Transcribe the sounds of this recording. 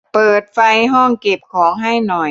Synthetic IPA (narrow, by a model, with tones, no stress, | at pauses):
pɤː˨˩t̪̚fa˧jɦɔ˥˩ŋke˨˩p̚kʰɔː˩˦ŋɦa˥˩jnɔ˨˩j